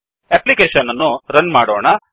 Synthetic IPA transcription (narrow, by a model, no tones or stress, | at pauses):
eplikeːʂɐnːɐnːuɾɐnmaːɽoːɳɐ